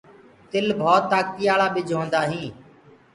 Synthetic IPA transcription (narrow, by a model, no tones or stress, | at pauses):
t̪ɪlbʱoːt̪ːaːkiːaːɭaːɓɪːd͡ʒʱõːnd̪aːɦĩː